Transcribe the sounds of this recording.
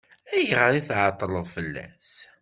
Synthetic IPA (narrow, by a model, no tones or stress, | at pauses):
æjʁəɾiθʕɑt̪ˤːləðˤfəlːæ̰s